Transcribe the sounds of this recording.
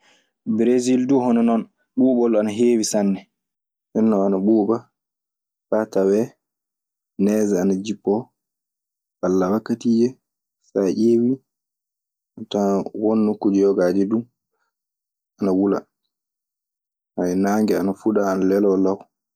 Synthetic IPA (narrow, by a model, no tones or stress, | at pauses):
bɾezilduhɔnɔnɔn | ɓuːɓɔlanaɦeːwisanːɛ | ʔɛnːɔanaɓuːba | fatawɛ | nɛzaanad͡ʒipːɔ | ʔalːawakːatid͡ʒɛ | faʔeːwi | atawonːokːud͡ʒɛjɔɡad͡ʒɛdu | anawula̰ | aɛnaːŋɡɛanafuɗaːnalɛlɔlaw